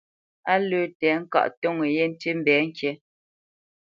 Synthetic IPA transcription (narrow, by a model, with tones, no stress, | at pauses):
a˦lʉː˦˨tɛː˨˦ŋ̩˦ka̰˦˨ʔto˦ŋe˨je˦n̩˦ti˦m̩˦bɛː˨˦ŋ̩˦kje˨